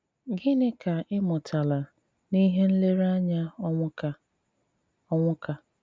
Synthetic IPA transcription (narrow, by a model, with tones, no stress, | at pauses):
ɡɪ˦nɪ˦ka˨ʔɪ˦mʊ˨tʰa˨la˨ | ni˦ɦe˦n̩˦le˦ɾa˦ɲa˦ɔ˦ʊ˦ka˦ | ɔ˦ŋʷʊ˦ka˦